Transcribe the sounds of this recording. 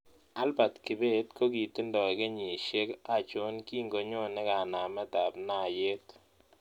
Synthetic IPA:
a˦lba˨tkɪ˨be˦tko˦ɡi˨t̪i˦ndɔ˨ɡe˦ɲi˨ʃe˦ka˨t͡ʃo˦nki˦ŋɡo˨ɲo˦nɪ˦ka˨na˨mɛ˦ta˨bna˦˨je˦t̪

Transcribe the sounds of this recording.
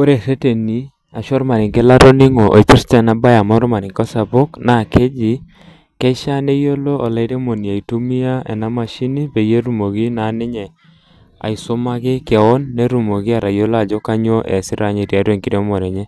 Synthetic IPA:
o˦ɾe˨se˦te˨ni˨˦ | a˨ʃɔ˦ɾma˨ɾɪ˨ŋkɛ˦la˦ɾo˦nɪ˦ŋo˨ʔo̰˨pɪ˦ɾtɛ˦˨na˨˦ba˦ja˨mɔ˦ɾɔ˦ma˨ɾɪ˨ŋkɔ˦sa˨bo˦kna˨ke˦d͡ʒi˦ | kɛ˦ʃa˦ne˦jo˦lo˦ɔ˨la˨˦ɾe˦mo˨ni˨a˨i˨to˦mi˦a˦ɛ̰˨na˦ma˨ʃi˦ni˦pe˨je˦ɾu˨mo˨ɡi˦na˨nɪ˦ɲɛ˨ | a̰˨ɪ˨sʊ˦ma˦kɪ˦kɛ˨ɔ˦nːe˦ɾu˨mo˨ɡi˦a˨ɾa˨jo˦lo˦a˨d͡ʒɔ˦ka˦ɲo˦ʔɛ̰˨sɪ˦ɾa˨ɲe˨ɾja˨˦ɾe˦˨ŋki˨ɾe˦mɔ˨ɾɛ˨ɲe˦

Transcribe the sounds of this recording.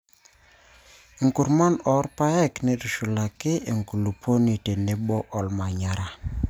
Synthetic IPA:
ŋ̩ku˨ɾma˦nɔ˨˦ɾpa˦ɛ˦kne˦ɾu˨ʃu˨la˨kɪ˦e˨ŋku˨lu˨pʰo˦ni˨te˨ne˦bɔ˦ʔɔ˨lma˨ɲa˨ɾa˨

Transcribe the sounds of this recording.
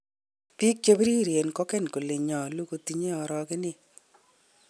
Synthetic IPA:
pi˦k̚t͡ʃe˦bi˦ɾi˦ɾje˨nkɔ˦kɛ˦nku˨le˨ɲɔ˨lu˦ko˧ti˦ɲe˦ɔ˨ɾɔ˧kɪ˦nɪ˦

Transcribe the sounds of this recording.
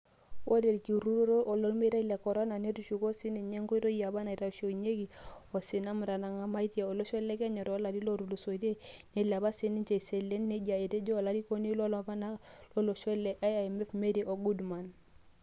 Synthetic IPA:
wʔo˦de˨lki˨ɾu˦ɾɾʔɔ˨lɔ˦lme˦ɾa˦i˦lɛ˨kɔ˨ɾɔ˦na˨ne˦ɾu˨ʃu˨ko˦si˦nɛ˨ɲe˦ŋɡɔ˦i˦ɾo˦i˦a˨ba˦na˨i˨ɾa˨ʃo˨i˨ɲe˦ki˨ɔ˨si˨na˦mu˨ɾa˨na˨ŋa˦ma˦i˦ti˦a˨ɔ˨lɔ˦ʃɔ˦lɛ˦kɛ˦ɲɛ˨ɾɔ˦la˨di˦lo˦ɾu˨lu˨so˨i˨te˦ne˦ila˨ba˦si˦ni˦nt͡ʃe˨i˨se˨le˦nːe˦d͡ʒi˨a˨e˨te˦d͡ʒɔ˦˨la˦di˦ko˦ni˦lɔ˦lɔ˦ba˦na˦lɔ˦lɔ˨ʃɔ˦lɛ˨ʔa˦a˨mɛ˦fme˦di˨ʔo˨ɡu˦dma˨n

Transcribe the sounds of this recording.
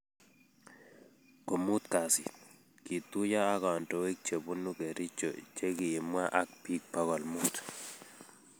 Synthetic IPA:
ko˨mu˦t̪ka˨sɪ̰˨ | ki˨t̪u˦ja˦a˦kɔ˨ntɔ˦we˦k̚t͡ʃe˨bu˦nu˦ke˨ɾɪ˦t͡ʃo̰˨t͡ʃe˦kɪ˨i˨mwa˦ʔa˦kpi˦k̚pa˦ɣɔ˨lmu˦t

